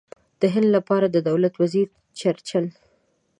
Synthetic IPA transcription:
d̪̥əɦɪnd̪lapɑɾad̪əd̪awlat̪waziɾ | t͡ʃaɾt͡ʃal

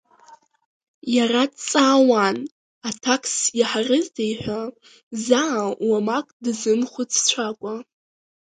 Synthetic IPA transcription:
jaradt͡sʼawan | atʰakʰʼsiħarɨzdʰejħʷᶣa | zawamakʼdzɨmχʷʊt͡sʰt͡ɕʷʰakʷʼa

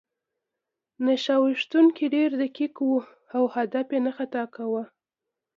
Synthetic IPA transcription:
naʃɑwiʂt̪uŋkiɖeɾd̪əkikwu | awhad̪apjenəxat̪ɑkawə

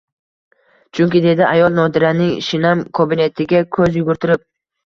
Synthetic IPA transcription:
t͡ʃʰʊŋkʲɪd̪e̞d̪ɪajɒlˠnɒd̪ɪɾanɪŋʃɪnamkʰobɪne̞t̪ʰɪɡʲakʲʰɵzjʊɡʊɾt̪ʰɪɾɪp̚

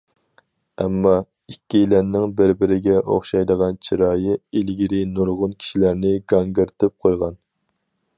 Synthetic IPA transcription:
ɛ̰mːɑ | ikʲːilɛnːɪŋbɪɾbɪɾɪɡʲɛʔoχʃɑjd̪əʁɑnt͡ʃʰiɾɑːjɨilɡʲiɾɪnuɾʁʊnkʲʰi̥ʃilæɾnɪɡɑŋɡəɾt̪ʰɪp̚qʰojʁɑn

